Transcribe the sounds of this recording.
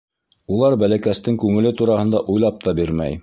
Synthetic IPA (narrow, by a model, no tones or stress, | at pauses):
ulˠɑɾbælækæst̪ɘŋkʉŋɘ̆lɘt̪uɾɑhɤ̆nd̪ɑʔujlˠɑp̚t̪ɑbiɾmæ̰j